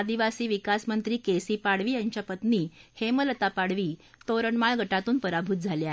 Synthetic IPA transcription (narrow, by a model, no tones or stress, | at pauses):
ad̪iʋasiːʋikasmənt̪ɾiːkesiːpaɽʋiːjaɲt͡ɕjapət̪niːhemələt̪apaɽ̤ʋiː | t̪oɾəɳmaɭɡʱəʈat̪uːnpəɾabʱut̪̚d͡zʱaljae